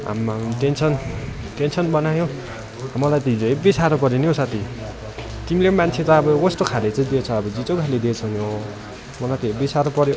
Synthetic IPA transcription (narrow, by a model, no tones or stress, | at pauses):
a̰mmʈensʌn | ʈensʌnbʌnajõ | amʌlajt̪id͡zʌibisaɾopʌɾjeniosat̪ʰi | t̪imilemant͡sʰet͡sãʌbʌkʌst̪okʰalet͡saĩd̪iet͡sʰʌʌbʌd͡zit͡sokʰaled̪it͡sʰʌnjo | mʌlajt̪ebisaɾopʌɾjo